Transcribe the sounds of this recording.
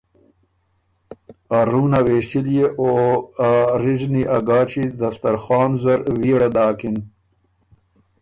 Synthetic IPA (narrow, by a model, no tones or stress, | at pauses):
aɾuːnaweːɕtiljeʔoaɾizniʔaɡaːt͡ɕid̪ɐst̪ɐɾxaːnzɐɾwiɽad̪aːkin